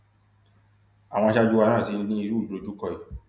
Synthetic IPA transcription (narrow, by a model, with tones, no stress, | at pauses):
a˨w̃ɔ̃˧˦ʃa˦d͡ʒu˦wa˧nãː˦˨ti˧n˦nĩ˦i˧ɾu˦˨do˨˧˨d͡ʒu˦kɔ˧i˨